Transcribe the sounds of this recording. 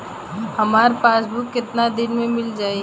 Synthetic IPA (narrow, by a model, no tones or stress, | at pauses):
hɐmaːɾpaːs̬bukːɪt̪nad̪ɪnmẽmɪld͡ʒaːi